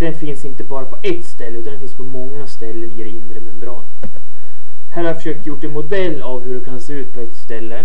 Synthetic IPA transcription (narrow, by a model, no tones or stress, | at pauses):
d̪̥ɛnfɪnsɪnt̪əbɑːɾapʰɔʔɛt̪ːst̪ɛlːəʉ̟t̪anɛnfɪnspʰɔmɔŋːast̪ɛlːənɪd̪ɛɪnd̪ɾəmɛmɾɑ̰ːnət̪ | hæːɾhaɾjafœ̥ʂøːk̚t̪jʊʈːɛnmʊd̪ɛlːavhɵɖɛkʰanseːʉːt̪pʰɔɛt̪st̪ɛlːə